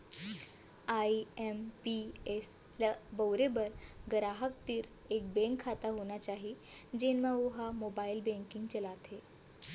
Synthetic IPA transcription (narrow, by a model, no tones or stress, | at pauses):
aiempies | ləbəwɾebəɾɡəɾaɦək̚t̪iːɾ | ek̚bẽŋkʰːat̪aɦonat͡ɕaɦid͡ʑenmaʋoɦamobailbẽŋkiŋɡt͡ɕəlat̪e